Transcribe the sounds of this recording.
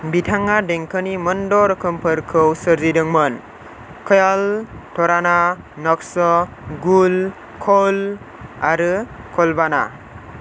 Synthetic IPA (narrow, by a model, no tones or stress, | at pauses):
bitʰaŋːadeŋkʰɯnimɯndɔɾɯkʰɯmpʰɯɾkʰɯwsɯɾzidɯŋmɯn | kʰɔjaltʰɔɾana | nɔksɔ | ɡul | kʰɔl | aɾɯkʰɔlbana̰